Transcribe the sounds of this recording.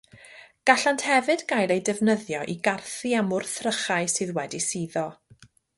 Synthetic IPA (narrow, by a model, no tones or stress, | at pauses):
ɡ̥aɬanthɛvɨdɡajlˠejdɛvnəðjɔʔiɡarθiamʊrθrəχajsɨːðwɛdisiːðɔ